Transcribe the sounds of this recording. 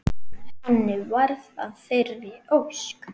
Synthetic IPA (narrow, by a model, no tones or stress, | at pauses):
hɛnːɪvaɾða̰ðθejɾvɪowsk